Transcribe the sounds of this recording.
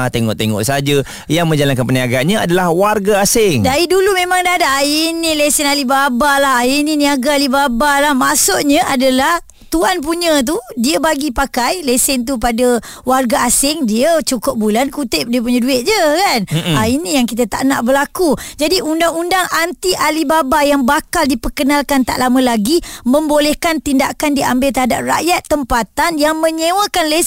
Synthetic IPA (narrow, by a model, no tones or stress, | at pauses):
at̪eŋɔ̰ʔt̪eŋɔ̰ʔsaad͡ʒə | jaŋmə̃ɲd͡ʒalankanpəniaɡaʔɲəadalahwarɡaasɪŋdaidulumemaŋdadaʔainilesɛnalibabalaɦaininiaɡalibabalahmasʊʔɲəʔadalah | t̪uanp̬uɲə̃t̪̬udiəbaɡipakajlesɪnt̪̬upadawarɡaːsɪŋdiət͡ʃukʊp̚bulankut̪ɪp̚diəp̬uɲə̃duɪʔ̪̚d͡ʒəkanainĩjaŋkit̪ət̪a̰ʔna̰ʔbəlakud͡ʒadiʔundaŋundaŋant̪iʔalibabajaŋbakaldipəkənalkant̪a̰ʔlamə̃laɡimə̃mbolɛhkant̪indakandiambɪlt̪əɦada̰p̚ra̰jat̪ːəmpat̪anjaŋmə̃ɲẽwə̃kanle